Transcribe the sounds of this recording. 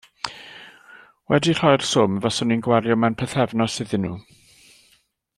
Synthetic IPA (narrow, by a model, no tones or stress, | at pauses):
wɛdir̥ɔjr̥sʊmvasɔninɡwaɾjɔmanpʰəθɛvnɔsɨðɨnːṵː